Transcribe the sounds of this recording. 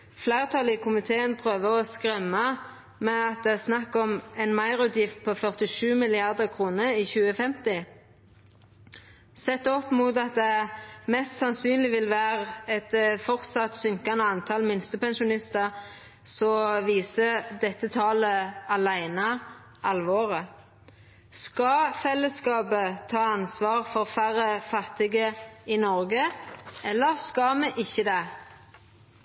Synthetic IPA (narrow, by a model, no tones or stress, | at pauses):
flæɪʁt̪ʰɑːlɪkʰʊmɪt̪ʰeːənpʰʁøːʋəʁɔskʁɛmːɑ | mɛɑt̪̚d̪ɛæʁsnɑkːɔmɛnmɑɪʁʉːt̪jɪft̪̚pʰɔfœʁt̪ɪʃʉːmɪlɪɑʁd̪əʁkʰʁuːnəiçʉːəfɛmt̪ɪ | sɛt̪ːɔpːmuːt̪ɑt̪̚d̪ɛæʁmɛst̪sɑnsyːnlɪʋɪlʋæːʁɛt̪fɔʁt̪sɑt̪sʏŋkɑnəɑnt̪ʰɑlmɪnst̪əpɛnʃʊnɪst̪ɑʁ | sɔʋiːsəd̪ɛt̪ːət̪ʰɑːləɑlæɪnɑ | ʔɑlʋoːʁə | skɑfɛlːəskɑːpət̪ʰɑːɑnsʋɑːʁfɔʁfæʁəfɑt̪ːɪɡəɪnɔʁɡəɛlːəʁskɑmɛʔɪçːəd̪ɛ